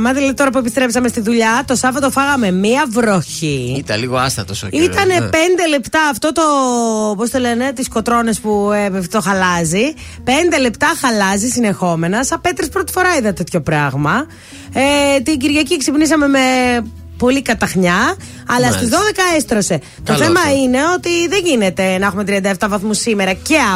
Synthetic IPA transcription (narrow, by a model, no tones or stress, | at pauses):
mɐðilɐðit̪oɾɐp̬ue̞pist̪ɾe̞psɐmest̪iðuʎɐt̪o̞sɐvɐt̪ofɐɣɐme̞miɐvɾo̞çiit̪ɐ̰liɣoɐsθɐt̪osoit̪ɐne̞pe̞nd̪e̞le̞pt̪ɐːft̪o̞t̪o̞post̪elene̞t̪isko̞t̪ɾo̞ne̞spuepft̪o̞xɐlɐzi | pe̞nd̪e̞le̞pt̪ɐxɐlɐzisine̞xo̞me̞nɐsɐpe̞t̪ɾespɾot̪i̥fo̞ɾɐiðɐt̪e̞t̪ço̞pɾɐɣmɐ | et̪iɟiɾʝɐcieksipnisɐme̞me | po̞likɐt̪ɐxɲɐ | ɐlɐst̪izðo̞ðe̞kɐest̪ɾose̞ | t̪o̞θe̞mɐine̞o̞t̪iðeɲʝinet̪e̞nɐexume̞t̪ɾiɐnd̪ɐeft̪ɐvɐθmusimeɾɐce̞ɐ